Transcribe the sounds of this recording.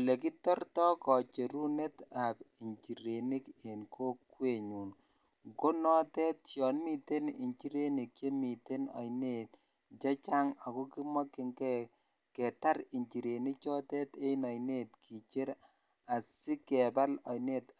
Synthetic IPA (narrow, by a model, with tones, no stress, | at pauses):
le˨ki˦tɔ˦rtɔ˦kɔ˨t͡ʃe˨ɾu˦ne˦tapi˨ɲt͡ʃi˨ɾe˨ni˦ke˨nkʰo˦kːwe˨ɲu˨n | ŋko˦nɔ˦tɛ˦tjɔ˨nmi˨te˦ni˨ɲt͡ʃi˦ɾe˦ni˨kje˦mi˨te˦nɔ̰˨jne˨t | t͡ʃe˦t͡ʃa˦ŋa˨ku˦ki˦mwa˦ki˨ŋɡɛ˦ | kɛ˨ta˦ɾi˨ɲt͡ʃi˨ɾe˨ni˦kt͡ʃɔ˦tɛ˦te˦nɔ˨jne˦tkʰi˨t͡ʃe˦ɾ | a˨si˦kɛ˨ba˦lɔ̰˨jne˦t